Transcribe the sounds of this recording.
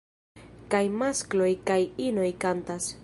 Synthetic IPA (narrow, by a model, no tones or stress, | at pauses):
kajmasklo̞jkajino̞jkantas